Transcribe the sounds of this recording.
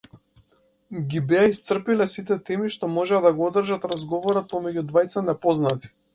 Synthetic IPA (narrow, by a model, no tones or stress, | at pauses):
ɡʲibɛaist̪sr̩pilɛsit̪ɛt̪ɛmiʃt̪ɔmɔʒɛad̪aɡɔɔd̪r̩ʒat̪ɾazɡɔvɔɾɔt̪̚pɔmɛɟud̪vajt̪sanɛpɔznat̪i̥